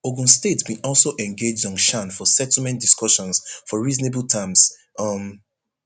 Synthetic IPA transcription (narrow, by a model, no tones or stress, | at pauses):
oɡũnstetbĩʔɔlˠsoʔɛ̃nɡed͡ʒdɔ̃n̩ʃãnfɔsɛtʰl̩ˠmɛ̃nd̥iskɔʃɔ̃nsfɔɹiznebəlˠtʰãms | ʌm